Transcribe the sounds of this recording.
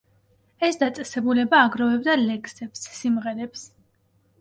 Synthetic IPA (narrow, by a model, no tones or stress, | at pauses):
ɛsd̪at̪sʼɛsɛbulɛbaːɡɾɔvɛbd̪alɛkʰsɛpsːimʁɛɾɛps